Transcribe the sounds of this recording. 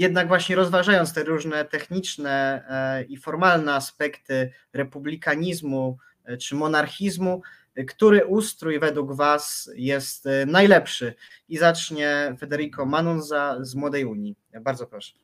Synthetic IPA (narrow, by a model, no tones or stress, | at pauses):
jɛd̪̚naɡvwaɕɲɛɾɔzvaʐajɔnt̪st̪ɛɾuʐnɛt̪ɛxɲit͡ʂnɛ | ifɔɾmalnɛaspɛkt̪ɘ | ɾɛpublʲikaɲizmu | t͡ʂɘmɔnaɾxʲizmu | kt̪uɾɘʔust̪ɾujvɛd̪wuɡvasjɛst̪najlɛpʂɘizat͡ʂɲɛfɛd̪ɛɾikɔmanunzazmwɔd̪ɛjuɲi | baɾd̪zɔpɾɔʂɛ̥